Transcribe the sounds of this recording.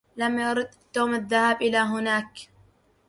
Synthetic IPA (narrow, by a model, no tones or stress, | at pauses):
lamjaɾˤʊd̪ | t̪ːoːmaðːahaːbʔɪlaːɦʊnaːk